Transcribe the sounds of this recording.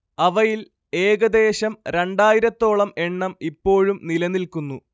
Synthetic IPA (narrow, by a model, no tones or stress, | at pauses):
ɐʋɐjil | e̞ːɡɐd̪e̞ːɕɐmɾeɳɖaːjiɾɐt̪ːo̞ːɭɐme̞ɳːɐmipːo̞ːɻumnilɐnilkunːu